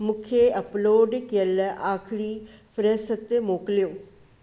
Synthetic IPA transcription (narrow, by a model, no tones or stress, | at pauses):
mʊkʰeɐploːɖkjəlaːkʰɪɽipʰɾesət̪ːemoːkljoː